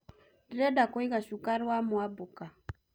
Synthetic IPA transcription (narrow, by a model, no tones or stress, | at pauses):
dɾɛdakɔiɣaʃukaɾwamuabuka